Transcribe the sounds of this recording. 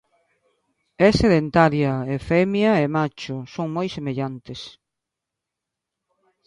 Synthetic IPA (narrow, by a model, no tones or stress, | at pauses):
ɛseðent̪aɾjɐefɛmjɐemat͡ʃʊsoŋmojsemeʎant̪es